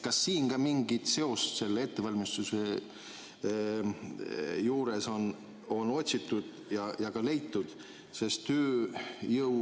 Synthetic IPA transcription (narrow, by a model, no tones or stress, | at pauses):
kɑsːiːnɡɑmiŋɡ̥it̪se̞o̞st̪se̞lːee̞t̪ːe̞vɑlʲmist̪use | juːɾe̞so̞n | o̞no̞t̪ʲsit̪ːˑud̪̥ | jɑjɑkɑle̞jt̪ːˑud̪̥ | se̞st̪ːøːjɤw